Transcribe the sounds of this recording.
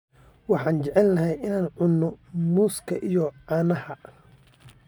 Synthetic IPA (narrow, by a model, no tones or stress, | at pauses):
wɑħɑːnt͡ʃɛʕɛlːɐɦɛjɪnaːnʕʊnːɔmuːskʰɐʔijɔʕɑːnɐhɐ